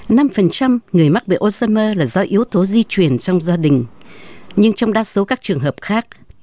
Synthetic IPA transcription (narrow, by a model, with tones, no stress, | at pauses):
na˧mfə˨˩nt͡ɕa˧mŋɨ˨˩əjma˦˥t̚ɓḛː˧˨˩ʔo˧zəː˧məː˧laː˨˩zɔ˨˦ʔi˨˦əwt̪o˨˦zi˧t͡ɕwi˨˩ənt͡ɕɔ˧wŋ͡mzaː˧ɗï˨˩ŋ̟ | ɲɨ˧ŋt͡ɕɔ˧wŋ͡mɗaː˧so˨˦kaː˦˥k̚t͡ɕɨ˨˩əŋɦəː˨˩p̚xaː˦˥k̚